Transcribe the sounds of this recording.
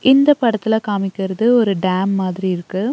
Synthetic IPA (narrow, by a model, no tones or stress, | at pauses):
ʔɪnd̪ɐpɐɽɐt̪ːɪlɐkaːmɪkːɪɾɐðɯɔɾɯɖaːmːaːðɪɾiɪɾɯkːɯ